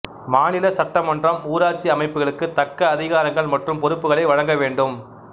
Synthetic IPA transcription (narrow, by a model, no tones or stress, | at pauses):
maːnɪlɐsɐʈːɐmɐndrɐmuːɾaːɾt͡ʃiɐmɐɪpːɯɣɐɭɯkːɯt̪ɐkːɐːðɪɣaːɾɐŋɡɐɭmɐʈrɯmpɔɾɯpːɯɣɐɭɐɪʋɐɻɐŋɡɐʋeːɳɖɯm